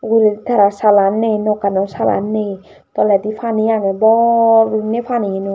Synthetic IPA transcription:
ɡuɾed̪it̪ʰaɾasalanːenokanɔsala̰nːe | t̪ɔlad̪ipʰanijanebɔnepʰaniɦenu

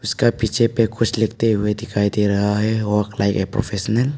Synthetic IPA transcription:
ʊskapit͡ʃʰepekʰʊt͡ʃʰlɛk̚t̪eɦued̪ikʰajd̪iɾɐɦaɦɛwɔklajkɛpɾɔ̰pʰesɔnɛl

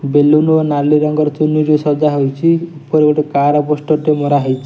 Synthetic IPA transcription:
belunuɔnaliɾɔŋɡɔɾt͡ʃunud͡ʒesɔd͡zaɦewt͡ʃʰiupɔɾekɔʈekaɾɔpɔsʈɔʈemoɾaɦejt͡ʃʰi̥

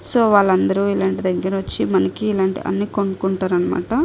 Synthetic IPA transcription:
so̞ːʋaːɭːɐnd̪ɐɾuilaːɳʈid̪ɐɡːɐɾɐʋɐt͡ʃːimɐnɐkiːlaːɳʈḭʔɐ̰nːiːkoɳɖukuɳʈaːɾɐnːɐma̰ːʈɐ

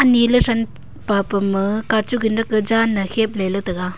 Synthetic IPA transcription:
ɐnilɯsɐn | papɯmɯkat͡ʃuɡinɾɐkɯd͡ʒanːɐhep̚lelotɐɡa

